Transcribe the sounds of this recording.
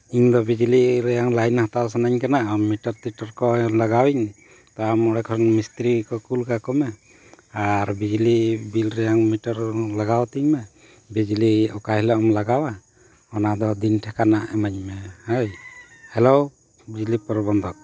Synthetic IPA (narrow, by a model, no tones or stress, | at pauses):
iɲd̪ɔbid͡ʒliɾɛjaŋlajnhat̪aws̬anaɲkanaʔmːiʈɔɾt̪iʈɔɾkɔlaɡawiɲ | t̪ɔamɔɽɛkʰɔɾɔnmist̪ɾikɔkulkakɔmɛ | aɾbid͡ʒlibilɾɛjaŋmiʈɔɾlaɡawt̪iɲmɛ | bid͡ʒliɔkaɦilɔɔmlaɡawa | ɔnad̪ɔd̪inʈʰɛkanaʔɛmaɲmɛhaj | hɛlow | bid͡ʒlipɔɾbɔnd̪ɔk̚